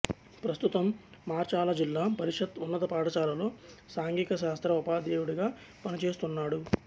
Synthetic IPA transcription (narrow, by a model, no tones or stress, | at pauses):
pɾɐst̪ut̪ɐmːaːɾt͡ʃaːlɐd͡ʒilːaːpɐɾiʂɐt̪unːɐt̪ɐpaːʈɐt͡ʃaːlɐlo̞ːsaːŋɡikɐʃaːst̪ɾɐupaːd̪eːjuɽiɡaː | pɐnit͡ʃe̞ːst̪unːaːɽu